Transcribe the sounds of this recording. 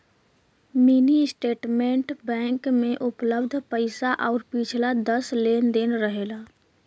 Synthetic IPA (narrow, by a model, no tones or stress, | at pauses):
miniɪsʈeːʈmẽɳʈbɛ̃ːŋkmẽʔʊpləbd̪ʱpəɪsaʔɔːɾpiːt͡ʃʰlad̪əsleːnd̪enɾəɦeːlaː